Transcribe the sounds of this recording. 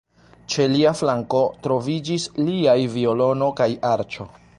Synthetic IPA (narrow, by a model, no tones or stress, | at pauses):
t͡ʃe̞liaflaŋko̞tɾo̞vid͡ʒisliajvio̞lo̞no̞kajaɾt͡ʃo̞